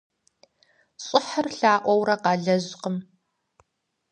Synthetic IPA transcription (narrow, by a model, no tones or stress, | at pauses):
ɕʼɪħərɬaːʔʷɔwɾɐqɑːɮɐʑqəm